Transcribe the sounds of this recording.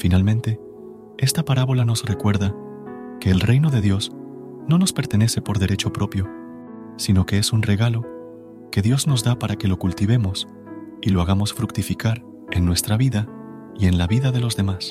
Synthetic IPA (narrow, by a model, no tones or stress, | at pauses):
finalmẽnt̪e̞ | e̞st̪apaɾaβo̞lano̞sre̞kwe̞ɾða | ke̞ːlre̞jno̞ðe̞ðjo̞z | no̞no̞spe̞ɾt̪e̞ne̞se̞po̞ɾðe̞ɾe̞t͡ʃo̞pɾo̞pjo̞ | sino̞ke̞esunre̞ɣalo̞ | ke̞ðjo̞zno̞zðapaɾake̞lo̞kult̪iβ̞e̞mo̞s | ilo̞aɣamo̞sfɾukt̪ifikaɾ | e̞nːwe̞st̪ɾaβiða | ie̞nlaβiðaðe̞lo̞zðe̞mas